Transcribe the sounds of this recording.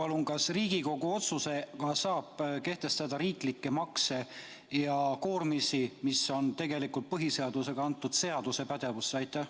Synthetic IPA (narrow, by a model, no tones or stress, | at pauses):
pɑluŋɡ̥ɑsriːɡiko̞ɡ̥uo̞t̪suse̞kɑsɑːb̥ke̞ht̪e̞st̪ɑd̪̥ɑɾiːklikːe̞mɑkse̞ | jɑko̞ːrmisimiso̞nt̪e̞ɡe̞likult̪̚pɤɦise̞ɑd̪use̞ɡ̥ɑɑnt̪ːˑud̪̥se̞ɑd̪̥use̞pæd̪̥e̞vusːeɑjt̪ˑːæh